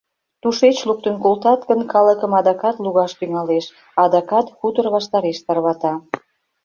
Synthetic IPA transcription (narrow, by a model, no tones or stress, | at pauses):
t̪uʃet͡ɕluk̚t̪ənkolt̪ɑt̪ɡənkɑləkəmɑd̪ɑkɑt̪luɣɑʃt̪yŋɑleʃ | ɑd̪ɑkɑt̪xut̪ərβɑʃt̪ɑɾeʃt̪ɑrβɑt̪ɑ